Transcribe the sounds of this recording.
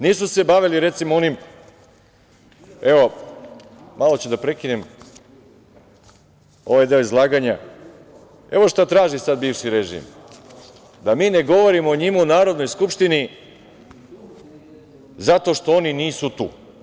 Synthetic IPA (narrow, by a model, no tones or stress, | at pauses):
niːsuse̞baʋiliɾe̞t̪simoo̞nim | e̞ʋo̞ | malˠo̞t͡ɕed̪apɾe̞kine̞m | o̞ʋajd̪eoizlˠaːɡaɲa | e̞ʋo̞ʃt̪at̪ɾaːʒisad̪̚biːʋʃiɾeʒḭm | d̪amiːne̞ɡo̞ʋo̞ɾimoːɲimuunaːɾo̞d̪no̞jskupʃt̪ini | zat̪o̞ʃt̪o̞o̞niniːsut̪ṵː